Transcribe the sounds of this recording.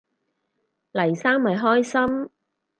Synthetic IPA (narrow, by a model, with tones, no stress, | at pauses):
lɐ˨˩jsaː˥ŋmɐ˨jɦɔː˥jsɐ˥m